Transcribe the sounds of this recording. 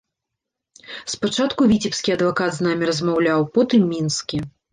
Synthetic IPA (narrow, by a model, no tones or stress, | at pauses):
spat͡ʂat̪kuvʲit͡sʲipskʲiɐd̪vakad̪znamʲiɾɐzmawlʲawpɔt̪ɨmːʲinskʲi